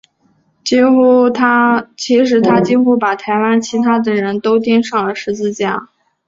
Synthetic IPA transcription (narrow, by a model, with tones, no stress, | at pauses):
t͡ɕi˥xu˥t̪ʰa˥t͡ɕʰi˧˥ʂ̬ɻ̩˧˥t̪ʰa˥t͡ɕi˥˧xu˥pa˨˩t̪ʰa˧˥ɪwa˥nt͡ɕʰi˧˥t̪ʰa˥d̪ə˨ɻə˧˥nt̪o˥ʊt̪̬i˥ŋʂɑ˥˩ŋlə˩ʂɻ̩˧˥t͡sɹ̩˥˧t͡ɕja̰˥˩